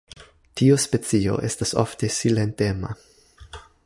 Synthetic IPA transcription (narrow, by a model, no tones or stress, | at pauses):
tiospe̞t͡sio̞̰ʔe̞staso̰fte̞silentema̰